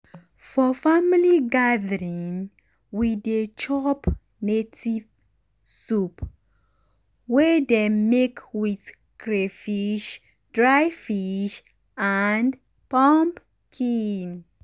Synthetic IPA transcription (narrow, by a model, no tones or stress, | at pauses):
fɔfamiliɡaðəɹĩŋ | wiðet͡ʃɔp | netʰiv | sup | wɛdemekwiθ | kɹefiʃ | d̥ɹajfiʃ | and | pɔ̃mp | kʰin